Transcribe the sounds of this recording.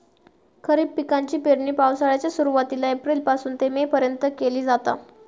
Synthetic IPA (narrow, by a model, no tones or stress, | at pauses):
kʰəɾiːbpikaɲt͡ɕiːpeɽɳiːpawsaɭjat͡ɕjasuɾuʋat̪ilaepɾiːlpasuːnt̪emepəɾjənt̪əkeliːd͡zat̪a̰